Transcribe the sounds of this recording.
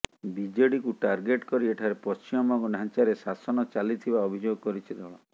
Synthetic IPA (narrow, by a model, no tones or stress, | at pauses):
bid͡ʒeɽikuʈaɾɡeʈkɔɾieʈʰaɾepɔst͡ʃimɔmaɡunɦant͡ʃaɾesasɔnɔt͡ʃalit̪ʰibaɔbʱid͡ʒoɡkɔɾit͡ʃʰid̪ʱɔɭɔ